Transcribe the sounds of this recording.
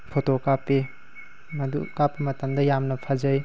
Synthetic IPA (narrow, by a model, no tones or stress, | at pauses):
pʰotokapːe | mɐdukapːimɐtɐmdɐjamnɐpʰazɐj